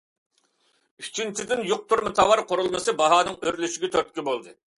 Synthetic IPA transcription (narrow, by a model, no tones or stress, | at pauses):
it͡ʃʰint͡ʃʰɪd̪ɪnjoq̚t̪ʰuɾmɨt̪ʰɑwɑɾqʰoɾulˠnɨsɨbɑɦɑːnɨŋøɾlyʃiɡʲɛt̪ʰøɾt̪kʲibolˠd̪ɨ